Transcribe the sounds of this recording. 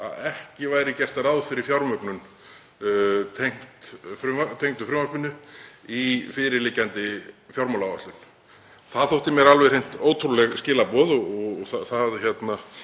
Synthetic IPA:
a̰ðɛhcɪvaːjɾɪcɛst̪aɾawðfɪɾɪɾ̥fjawɾmœknʏn | t̪ʰejŋ̥t̪fɾʏmat̪ʰejŋ̥t̪ʏfɾʏmvaspɪnːʏifɪɾɪɾliːcant̪ɪfjawɾmɔlawaht̪lʏn | θaðθowht̪ɪmjɛɾalvɛrejn̥t̪oːwt̪ʰɾulɛɣscɪːlapɔðɔɔθaθaðçjɛt̪na

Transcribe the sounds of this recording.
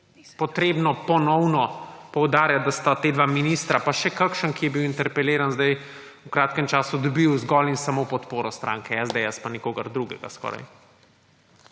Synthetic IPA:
pɔt̪ɾeːbnɔpɔnɔwnɔpɔwd̪aːɾjat̪̚d̪ast̪at̪eːd̪ʋaminist̪ɾapaʃɛkakʃənkijɛbiwint̪ɛɾpɛleːɾanzd̪aj | ukɾaːt̪kɛmt͡ʃaːsud̪ɔbiwzɡɔlinsamopɔt̪poːɾɔst̪ɾʔa̰ːŋkɛɛzd̪eɛspanikoːɡɐɾd̪ɾuɡɛɡa̰skɔ̰ːɾa̰j

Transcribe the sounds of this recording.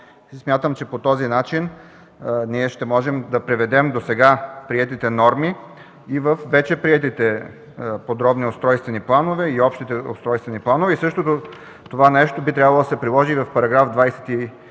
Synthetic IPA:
smʲjat̪əmt͡ʃɛpot̪ɔzinat͡ʃin | niɛʃt̪ɛmɔʒɛmd̪ɐpɾɛvɛd̪ɛmd̪osɛɡapɾiɛt̪it̪ɛnɔɾmi | ivəfvɛt͡ʃɛpɾiɛt̪it̪ɛ | pod̪ɾɔbniost̪ɾɔjst̪vɛniplˠanovɛiɔpʃt̪it̪ɛo̰st̪ɾɔjst̪vɛniplˠanovɛisɤʃt̪ot̪o | t̪ovanɛʃt̪obit̪ɾʲjabɐlˠod̪ɐsɛpɾilˠɔʒivɐfpɐɾɐɡɾavd̪vajsɛ̥t̪i

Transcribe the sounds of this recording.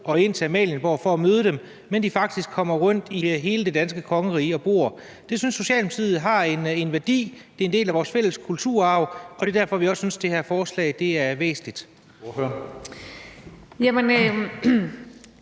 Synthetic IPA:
ʔɒ̽e̝n̰t͡sʰe̝mɛ̰ːljənb̥ɒ̰ːfɒ̽ːmøːð̞ˠəd̥em | mend̥ifɑ̈ɡ̥d̥isɡ̥̚kʰɒ̽m̰ɐʁɔn̰d̥iɦe̝ːləd̥e̝d̥ænsɡ̥əkʰɒ̽ŋəʁḭːɒ̽b̥o̝̰ɐ | d̥e̝synsːo̝ɕɛ̰ːlmusʰið̩ˠɦɑ̈e̝ne̝nʋæɐd̥ḭːd̥e̝ɐe̝nd̥e̝̰ːlæʋɒːsfel̰əskʰult͡sʰuɐ̰ɑ̈ʊ̰ɒ̽d̥e̝dæɐ̰fɒ̽ʋiɒ̽sːynsd̥e̝hæɐfɒːslɛ̰ɪd̥e̝æɐʋḛːsn̩lid̥ | fø | jæmen

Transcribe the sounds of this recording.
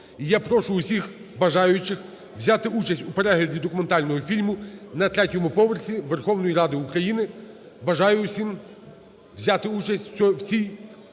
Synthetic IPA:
ijapɾɔʃʊːsʲix | bɐʒɑjʊt͡ʃɪx | wzʲat̪ɪʔut͡ʃɐsʲtʲupe̞ɾɛɦlʲɐdʲid̪ɔkʊment̪ɑlʲnɔɦɔfʲilʲmʊnɐt̪ɾɛtʲɔmʊpɔʋersʲiʋerxɔwnɔjirɑd̪ɪʊkɾɐjinɪ | bɐʒɑjʊsʲim | wzʲat̪ɪut͡ʃɐsʲtʲwt͡sʲij

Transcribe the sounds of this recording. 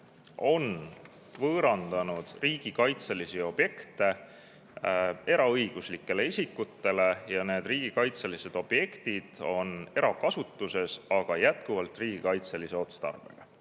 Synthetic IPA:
o̞n | vɤːɾɑnd̪̥ɑnud̪̥riːɡ̥ikɑjt̪selisio̞b̥je̞kt̪ˑe̞ | e̞ɾɑɤjɡ̥uslikːe̞le̞isʲikːut̪ːe̞le̞jɑne̞ːd̪riːɡ̥ikɑjt̪selise̞d̪̥o̞b̥je̞kt̪id̪̥o̞ne̞ɾɑkɑsut̪ːˑuse̞sɑɡ̥ɑjæt̪kuvɑlt̪riːɡ̥ikɑjt̪seliseo̞t̪st̪ɑ̰rv̥e̞̰ɡ̥ɑ̰

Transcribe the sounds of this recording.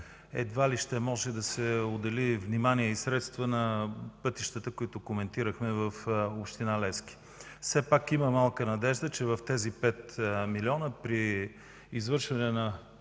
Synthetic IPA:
ɛ̰d̪valiʃt̪ɛmɔʒɛd̪ɐsɛod̪ɛlivnimaniɛisɾɛt̪st̪vənɐpɤt̪iʃt̪ət̪əkoit̪okomɛnt̪iɾəxmɛvəfopʃt̪inalɛsk̟i̥ | fsɛpakiməmalˠkənɐd̪ɛʒd̪ət͡ʃɛvəft̪ɛzipɛt̪milʲiɔnəpɾiː | zvɤɾʃvɐnɛnɐ

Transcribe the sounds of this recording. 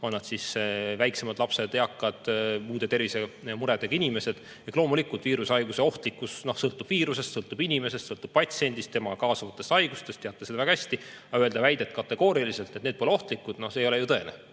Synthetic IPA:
onːɑd̪̥sisvæjkse̞mɑd̪̥lɑpse̞d̪eɑkːˑɑd̪̥muːd̪e̞t̪e̞rvise̞muɾed̪̥eɡɑinʲime̞se̞d̪̥ | eklo̞ːmulikˑult̪viːɾusɑjɡ̥use̞o̞ht̪likːusno̞hsɤlt̪ːˑub̥viːɾuse̞st̪sɤlt̪ːˑub̥inʲime̞se̞st̪sɤlt̪ːˑub̥̚pɑt̪sie̞nʲd̪ist̪t̪e̞mɑkɑːsɑvɑt̪ːˑe̞st̪ɑjɡ̥ust̪e̞st̪e̞ɑt̪ːˑesed̪ɑvæɡɑhæsʲt̪i | ɑye̞ld̪ɑvæjd̪e̞t̪ːkɑt̪ːˑe̞ɡ̥o̞ːɾiɑlise̞lt̪ːet̪net̪̚po̞leo̞ht̪likːˑud̪̥no̞hseːjo̞lejut̪ɤ̞e̞ne

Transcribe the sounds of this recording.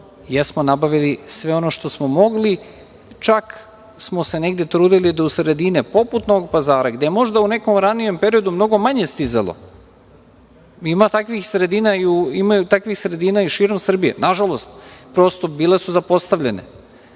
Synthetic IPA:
jesmonabaʋilisʋe̞o̞no̞ʃt̪o̞smo̞mo̞ɡli | t͡ʃak | smo̞se̞ne̞ɡd̪e̞t̪ɾuːd̪ilid̪ausɾe̞d̪inipo̞put̪nooɡpazaːɾaɡd̪ejemo̞ʒd̪aune̞ko̞mɾanije̞mpe̞ɾio̞d̪umno̞ɡo̞maɲest̪iza̰lˠo̰ | imat̪akʋixsɾe̞d̪iːnaiuimajut̪akʋixsɾe̞d̪iːnaiʃiːɾo̞msr̩bijḛnaʒalˠo̞st̪̚pɾo̞st̪o̞biːle̞suzapo̞st̪aʋʎenḛ

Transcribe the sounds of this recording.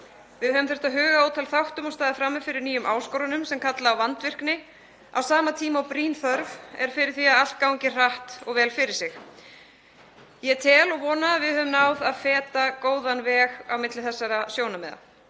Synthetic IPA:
vɪðhœvʏmθɛ̥ɾ̥t̪aɦœːɣaoːwt̪ʰalθawht̪ʏmɔɣst̪aːðɪfɾamːɛfɪɾɪɾniːjʏmʔaːwskowɾʏnʏmsɛmkʰat̪laːwvant̪vɪr̥knɪ | a̰wsaːmat̪ʰiːmawpɾiːnθœɾvɛ̰ɾ̥fɪɾɪɾ̥θiaðal̥t̪̚kawŋcɪr̥aht̪ɔɣvɛːlfɪɾɪɾ̥sɪx | jɛt̪ʰɛːlɔɣvɔːnavɪðhœːvʏmnawðaðfɛːt̪akoːwðanvɛːɣawmɪt̪lɪθɛsːaɾasjoːwnamɛːða̰

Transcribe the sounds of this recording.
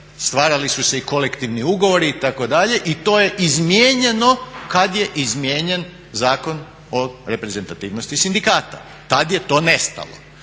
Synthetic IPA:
st̪ʋaːɾalisuse̞iko̞lekt̪iʋniuɡo̞ʋo̞ɾiit̪ako̞d̪aʎe̞ʔit̪o̞ːje̞ʔizmjeːɲe̞no̞kad̪je̞ʔizmjeːɲe̞n | zaːko̞n | oɾe̞pɾeze̞nt̪at̪iːʋnost̪isind̪ikaːt̪a̰ | t̪ad̪je̞t̪o̞ːne̞st̪a̰lo̰

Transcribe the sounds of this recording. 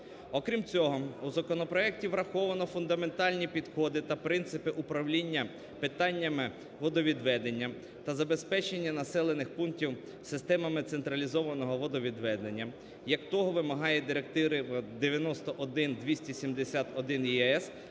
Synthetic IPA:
ɔkɾʲimt͡sʲɔɦɔuzɐkɔnɔpɾɔɛk̚tʲiʋɾɐxɔʋɐnɔfʊnd̪ɐme̞nt̪ɑlʲnʲipʲid̪xɔd̪ɪt̪ɐpɾɪnt̪sɪpɪʔupɾɐʋlʲinʲːɐ | pɪt̪ɑnʲːɐmɪ | ʋɔd̪ɔʋʲid̪ʋɛd̪enʲːɐ | t̪ɐzɐbe̞spɛt͡ʃenʲːɐnɐsɛlˠe̞nɪxpunktʲiw | sɪst̪ɛmɐmɪt̪sent̪ɾɐlʲizɔʋɐnɔɦɔʋɔd̪ɔʋʲid̪ʋɛd̪e̞nʲːɐ | jɐkt̪ɔɦɔʋɪmɐɦɑjɛd̪ɪɾek̚t̪ɪɾɪd̪eʋʲjɐnɔst̪ɔʔɔd̪ɪnd̪ʲʋʲisʲtʲisʲimd̪esʲat̪ɔd̪ɪnjɛɛs

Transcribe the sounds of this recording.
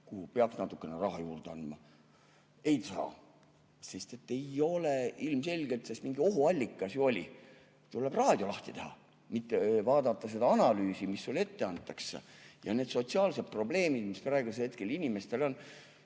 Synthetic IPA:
kuhupeɑksnɑt̪ːˑukːˑe̞nerɑɦɑjuːrd̪̥eɑnd̪mɑ | e̞jt̪sɑ̰ː | sest̪e̞t̪ːe̞jo̞leʔilmse̞lʲɡ̥e̞lt̪sesmiŋɡ̥io̞ɦuɑlʲːikːˑɑsjuo̞lʲḭ | t̪ule̞b̥rɑːd̪̥ʲjo̞lɑht̪it̪e̞hɑ̰ | mit̪ːevɑːd̪ɑt̪ˑːɑse̞d̪ɑɑnɑlyːsimisːule̞t̪ːe̞ɑnt̪ːˑɑksːḛjɑ̰neːd̪̥so̞t̪siɑːlse̞d̪̥̚pro̞ble̞ːmid̪̥misprɑeɡuselhe̞t̪ke̞linime̞st̪e̞lo̞n

